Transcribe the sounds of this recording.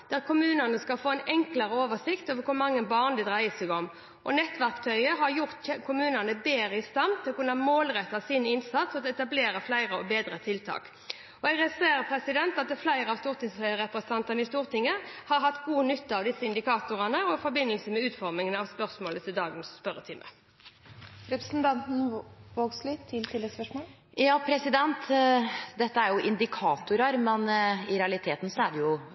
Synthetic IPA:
d̪̥æɾkʰʊmʉːnənəskɑlfoːæɪnɛŋklɑɾəoːʋəʂɪkt̪ɔʋəkʰʊɾmɑŋːəbɑːʁnd̪ɛd̪ʁæɪəsɛɡɔm | ʔɔnɛt̪ːʋæɾkt̪ʰœʏəɦɑɾjʊɾt̪kʰʊmʉːnənəbeːɾəɪst̪ɑmt̪ʰːɪlɔkʉnːəɑmoːlɾɛt̪ːɑsɪnɪnsɑt̪sɔɑt̪ɛt̪ɑbleːɾəflæɪɾəɔbeːd̪ɾət̪ʰɪlt̪ʰɑ̰ːk | ɔɛɡʁɛseːɾəpʰɾɛsɪd̪ɛnt̪ɑt̪̚d̪ɛflæɪɾəɑʋst̪uːʁt̪ɪŋshœʏəɾɛpɾɛsənɑnt̪ɑnəɪst̪uːʁt̪ɪŋːəhɑɾɦɑt̪ːɡuːənʏt̪ːəɑʋd̪ɪsəɪnd̪ɪkʰɑːt̪ʊɾənəɔfɔɾbɪnːəlsəmɛʉːt̪fɔʁmɪŋənɑʋspœʁsmoːlət̪ʰɪld̪ɑːɡənsːpœɾət̪ʰɪmʔə̰ | ɾɛpɾəsn̩t̪ʰɑnt̪n̩ʋoːɡslɪɪlt̪ʰɪlːɛspœʂmoː | jɑːpʰɾɛsɪd̪ɛnt̪ | d̪ɛt̪ːəæɾjʊʔɪnd̪ɪkʰɑːt̪ʊɾəɾmɛnɪɾɛɑlɪt̪ʰeːt̪n̩sɔæɖɛjʊ

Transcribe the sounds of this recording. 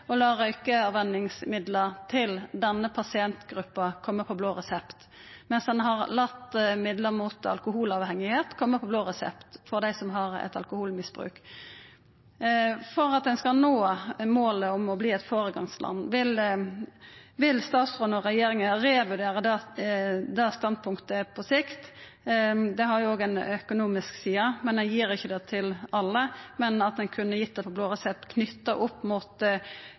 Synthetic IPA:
ɔlɑːɾœʏkəɑʋʋɛnːɪŋsmɪd̪ləʁt̪ʰɪld̪ɛnːəpʰɑsɪɛnt̪ɡɾʉpːɑkʰɔmːəpʰɔbloːʁɛsɛpt̪ | mɛnsd̪ɛnɦɑʁlɑt̪ːmɪd̪ləʁmuːt̪ɑ̰lkʊhuːlɑːʋhɛŋːɪheːt̪kʰɔmːəpʰɔbloːʁɛsɛ̰pt̪fɔʁd̪æɪsɔmɦɑʁɛ̰t̪ɑlkʊhuːlmɪsb̥ʁʉ̰ːk | fɔʁɑt̪̚d̪ɛnskɑnoːmoːləɔmɔbliːɛt̪foːɾəɡɑ̰ŋslʔɑ̰nːʋɪl | ʋɪlst̪ɑːt̪sʁɔːnɔʁɛjeːɾɪŋəɾeːʋʉɾd̪eːɾəd̪ɛ | d̪ɛst̪ɑnd̪̚pʰʊŋkt̪əpʰɔsɪkt̪ | d̪ɛɦɑɾjʊoːɡɛɪnœkʊnuːmɪsksiːəmɛnɛnjiːɾɪçːəd̪ɛːt̪ʰɪlɑlːəmɛnɑt̪̚d̪ɛnkʰʉnːəjɪt̪̚ːd̪ɛpʰɔbloːʁɑsɛt̪ːkʰnʏt̪ːɑʔʊpːmuːt̪

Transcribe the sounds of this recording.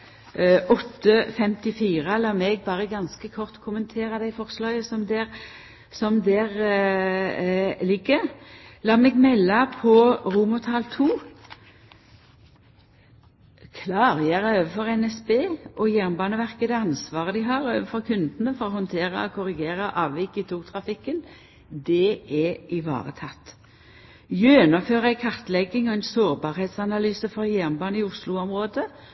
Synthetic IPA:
ʔɔt̪ːəfɛmt̪ɪfiːʁəlɑːmɛɡbɑːʁəɡɑnskəkʰɔʁt̪kʰʊmənt̪ʰeːɾɑd̪æɪfɔʁslɑʏəsɔmd̪ɛʁ | sɔmd̪ɛʁ | lɪɡːəlɑːmɛɡmɛlːɑpʰɔʁuːmʊt̪ʰɑlt̪ʰuː | kʰlɑːʁjɛʁøːʋəfɔʁɛnɛsbeːʔɔjæːʁmbɑːnəʋæʁkəd̪ɛɑnsʋɑːʁəd̪ɪɦɑʁøːʋəfɔʁkʰʉnd̪nəfɔʁɔhɔnt̪ʰeːɾə̰ɔkʰʊɾɪɡeːʁəʔɑːʋʋɪkːɪt̪ʰuːt̪ʰʁɑfɪkːən | d̪ɛɛɪʋɑ̰ːʁə̰t̪ʰɑt̪ː | jøːnɑføːʁəæɪkʰɑʁt̪lɛɡɪŋɔɛɪnsoːʁbɑːɾheːt̪sɑnɑlyːsəfɔɾjæːʁmbɑːnəɪʊslʊɔmʁoːd̪ə

